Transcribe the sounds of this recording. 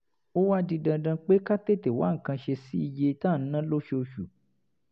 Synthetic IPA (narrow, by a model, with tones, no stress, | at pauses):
o˦wa˦dĩ˧dã˧dã˧k͡pe˦ka˦te˦˨te˨wa̰˨˦ŋ̩˨kã˧ʃe˧si˦i˧je˧tã˦˨n̩˦nã˦lo˦ʃe˧o˧ʃu˨